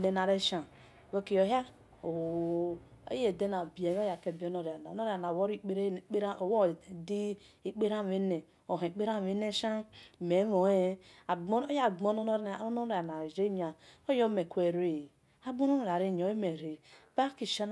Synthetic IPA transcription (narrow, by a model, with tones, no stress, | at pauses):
ne˨na˨ɾe˦ʃa˨ | we˦ki˨jo˨ɦa˦ | o˨ | ḛ˦je˨de˦na˨bi˨e˨˦o˦ja˨ke˨bo˦no˨ɾa˨na˨no˦ɾa˨na˨wo˦ɾi˦k͡pe˦ɾe˦˨k͡pe˦ɾa˦o˨wo˦˨di˦ | i˦k͡pe˦ɾa˦˨e˦ne˨ | o˨ɦe˨k͡pe˦ɾa˦˨e˨˦ne˦ʃa˦˨me˨˦mo˨e˦a˨ɡ͡bja˦˨ɡ͡bo˦no˦no˦ɾno˦˨a˨na˨d͡ʒe˦ɲa˨o˦jo˦me˨kʷe˨ɾe˦˨ | a˦ɡ͡bo˦no˦no˨ɾa˨ɾe˦˨ɲ˨o˨˦e˦me˨ɾe˨ba˦ki˨ʃa˦n